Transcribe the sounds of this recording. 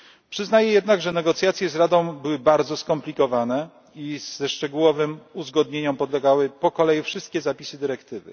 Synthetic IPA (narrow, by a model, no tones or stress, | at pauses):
pʂɘznajɛjɛd̪naɡʐɛnɛɡɔt̪sʲjat̪sʲjɛzɾad̪ɔ̃w̃bɘwɘbaɾd̪zɔskɔmplʲikɔvanɛ | izɛʂt͡ʂɛɡuwɔvɘmuzɡɔd̪ɲeɲɔ̃mpɔd̪lɛɡawɘpɔkɔlɛjufʂɘst̪̚kʲɛzapʲisɘd̪ɘɾɛkt̪ɘvɘ̰